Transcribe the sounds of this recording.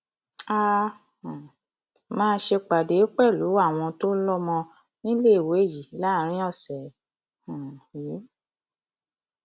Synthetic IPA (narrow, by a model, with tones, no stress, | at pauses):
a˦ | ã˨ | mãː˦ʃe˧k͡pa˨de˨˦k͡pɛ˦˨lu˨˦a˦˨w̃ɔ̃˧to˦lɔ˦mɔ̃˧ | nĩ˦le˦˨we˨˦˨ji˨˦la˦˨ɾ̃ĩ˦ɔ̃˦˨sɛ˨˦ | hã˨i˨˦